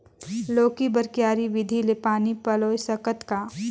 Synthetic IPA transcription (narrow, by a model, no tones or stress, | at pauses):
loːkibəɾkjaːɾiʋɪd̪ʱilepaːnipɐloːjsɐkət̪ka